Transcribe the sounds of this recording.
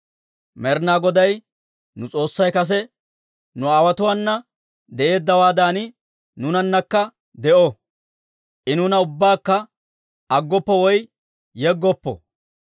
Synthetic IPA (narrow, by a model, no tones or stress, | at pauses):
mɛɾnaːɡɔd̪ɐj | nʊt͡sʼo̞ːsːɐjkɐs̬ɛ | nʊaːwɐt̪ʊwanːɐ | d̪ɛʔe̞ːd̪ːɐwaːd̪aːnɪ | nʊnɐnːɐkːɐ | d̪ɛʔɔ | ʔɪnʊnɐʊbːaːkːɐ | ɐɡːɔpːɔwɔj | jɛɡːɔpːɔ̰